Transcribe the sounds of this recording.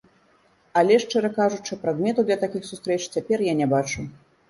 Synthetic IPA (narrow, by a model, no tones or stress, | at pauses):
alʲɛʂt͡ʂɛɾɐkaʐut͡ʂɨpɾad̪mʲɛt̪uwd̪lʲɐt̪akʲixsust̪ɾɛt͡ʂt͡sʲapʲɛrjanʲɛbat͡ʂu